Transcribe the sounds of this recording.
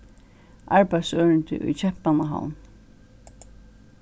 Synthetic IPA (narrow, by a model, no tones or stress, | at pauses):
ʔaɹpajsœːɹɪnt̪ɪ̰ʔʊ̰jt͡ɕʰɛhpanaɦa̰wn